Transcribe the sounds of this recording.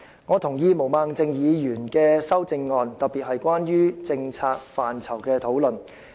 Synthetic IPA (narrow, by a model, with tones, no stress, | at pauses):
ŋɔː˨˧t̪ʰʊ˨˩ŋjiː˧mo˨˩wmaː˨˧ŋt͡sɪ˧ŋjiː˨˧jyː˨˩nkɛː˧sɐ˥wt͡sɪ˧ŋːɔː˨˧nt̪ɐ˨t̚piː˨t̚hɐ˨jkʷaː˥njyː˥t͡sɪ˧ŋt͡sʰaː˧k̚faː˨nt͡sʰɐ˨˩wkɛː˧t̪ʰo˨˥wlɵ˨n